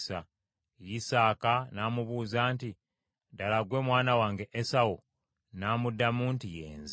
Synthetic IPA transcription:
sa | jisaːkanaːmuβuːzaːnti | dalaɡwe̞ːmwaːnawaːŋɡe̞ʔesawu | naːmudːamuːntijḛːnz

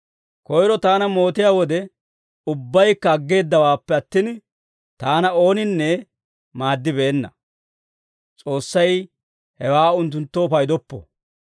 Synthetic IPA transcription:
kɔjɾɔt̪aːnɐmo̞ːt̪ɪjaːwɔd̪ɛ | ʊbːɐjkːɐːɡːe̞ːd̪ːɐwaːpːɛɐt̪ːiːn | t̪aːnɐo̞ːnɪnːɛ | maːd̪ːɪbeːnːɐ̰ | t͡sʼo̞ːsːɐj | hɛwaːʊnt̪̬ːʊnt̪ːoːfɐjd̪ɔpːɔ̰

